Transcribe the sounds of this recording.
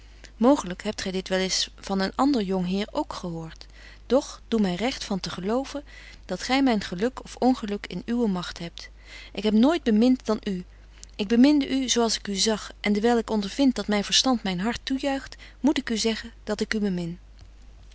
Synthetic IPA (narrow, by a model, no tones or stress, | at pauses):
mowχələkɦɛp̚tχɛjdɪtʋɛlɪsvɑnənʔɑndəɹjɔŋɦɪːɹowkχəɦʊːɹt | d̥ɔχd̥umɛjrɛχtfɑntəχəlowvən | d̥ɑtχɛjmɛjnχəlɵkɔfɔnχəlɵkɪ̰nyʋəmɑχtɦɛp̚t | ʔɪkɦɛpnoːjd̚bəmɪntdɑnʔy | ʔɪɡ̚bəmɪndəʔyzowɑlˠsɪ̥kyzɑχʔɛndəɹʋɛjlˠɪkɔndəɹv̥ɪnt̚dɑtmɛjnvəɹstɑntmɛjnɦɑɹtːujœɥχt | mutɪkyzɛχənd̥ɑtɪkybəmɪn